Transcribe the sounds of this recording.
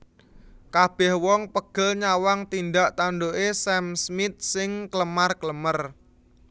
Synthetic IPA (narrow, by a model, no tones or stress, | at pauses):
kab̥ɛ̤hwɔŋpəɡ̥ə̤lɲawaŋt̪ind̪aʔt̪anɖoʔesɛmsmɪt̪̚sɪŋkləmarkləmər